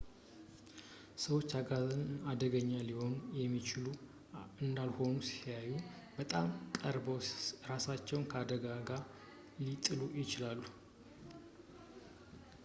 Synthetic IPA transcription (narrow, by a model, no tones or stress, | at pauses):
səwo̞t͡ʃːaɡazɨnad̪əɡəɲːaliho̞njɛmːit͡ʃɪlu | ɨnd̪alho̞nusi̥jajːu | b̥ət̪ʼamkʼəɾbowɾasat͡ʃːɛwnkʰəad̪əɡaɡaɾ | lit̪ʼɨlujɪt͡ʃɪlalːu